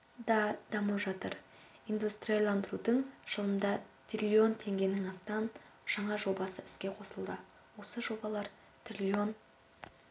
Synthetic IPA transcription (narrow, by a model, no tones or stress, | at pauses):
d̪ɑd̪̥ɑməpʒɑt̪əɾ | ind̪ust̪ɾijɑlˠɑnd̪əɾud̪əɴʒ̥əlˠəmd̪ɑt̪rʲilʲːio̞nt̪ʰe̞ŋɡʲe̞nɪŋɑst̪ɑn | ʒ̥ɑɴɑʒo̞bɑsəɪskʲe̞qʰo̞səlˠd̪ə | wo̞səʒo̞bɑlˠɑɾ | t̪rʲilʲio̞n